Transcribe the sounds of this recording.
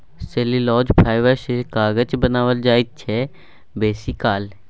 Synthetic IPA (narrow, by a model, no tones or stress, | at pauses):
seːlilɔːd͡ʒpʰaːjʋəʃekaːɡət͡ʃbənaːʋəld͡ʒaːit̪̚t͡ʃʰɛ | beːsikaːl